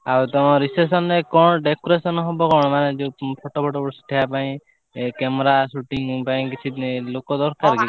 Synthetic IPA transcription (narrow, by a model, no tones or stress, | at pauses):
awt̪ɔɔ̃ɾisesɔnɾekɔ̃ɔɖekɔɾesɔnɦɔbɔkɔɽ̃ɔmaned͡ʒepʰɔʈɔpʰɔʈɔpɔsiʈʰijapaĩ | kɛmɾasuʈiŋpaĩkit͡ʃʰilokɔd̪ɔɾkaɾkit͡ʃʰ